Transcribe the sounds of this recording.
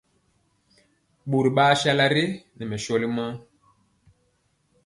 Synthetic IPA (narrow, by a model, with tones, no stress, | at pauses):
ɓu˨ɾi˨ɓaː˦ʃa˦la˦ɾi˦nɛ˨mɛ˨ʃɔ˦li˦ma˦